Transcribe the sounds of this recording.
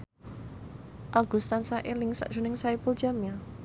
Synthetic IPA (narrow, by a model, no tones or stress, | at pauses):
ʔaɡ̥ust̪ansaʔelɪŋsa̰ʔdʒ̥ṳnɪŋsaipʊld͡ʒaml